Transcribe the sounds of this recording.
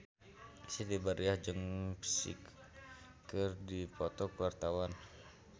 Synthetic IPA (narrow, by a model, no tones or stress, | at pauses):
sit̪ibaɾiahd͡ʒəŋpi̥sḭk | kɨrdipɔt̪ɔkəwart̪awan